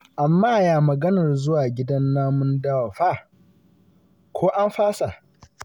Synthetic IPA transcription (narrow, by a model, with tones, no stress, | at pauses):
ʔa˨mːaː˦˨jaː˨mɐ˨ɡɐ˦nɐ˨rzʊ˦waː˨ɡʲɪ˦dɐ˦nːaː˦mʊ˦ndɐ˦wa˨ɸa˦˨ | kʷʰoː˦ʔa˦mɸaː˦sa˨ʔ